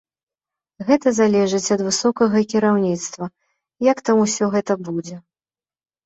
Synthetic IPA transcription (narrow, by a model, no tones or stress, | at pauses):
ɣɛt̪ɐzalʲɛʐɨt͡sʲɐd̪vɨsɔkɐɣɐkʲiɾawnʲit̪st̪vɐ | jakt̪amusʲɔɣɛt̪ɐbud͡zʲɛ